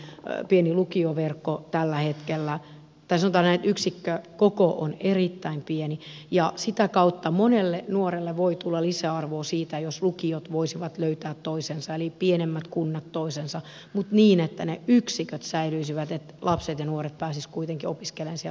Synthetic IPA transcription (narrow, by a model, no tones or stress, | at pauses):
pienilukioʋerkːot̪ælːæhet̪kelːæ | t̪ɑisɑnŏt̪ɑːnnet̪yksikːøkokoʔo̰nerit̪ːæimpienijɑsit̪ækɑut̪ːɑmonelːenuorelːeʋoit̪ulːɑlisæɑrʋoːsiːt̪æjoslukiot̪ʋoisiʋɑt̪løyt̪æːt̪toisensɑelipienemːæt̪kunːɑt̪toisensɑ | mut̪niːnet̪ːæneyksikøt̪sæilyisiʋæt̪et̪lʔɑpset̪jɑnuoret̪̚pæːsiskuit̪eŋkiopiskelensie